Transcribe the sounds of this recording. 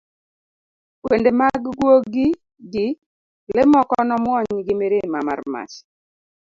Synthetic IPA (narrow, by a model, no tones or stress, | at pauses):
wendemaɡɡwoɡɪ | ɡɪ | lɪmɔkɔnɔmwɔɲɡɪmeɾemama̰rma̰t͡ʃ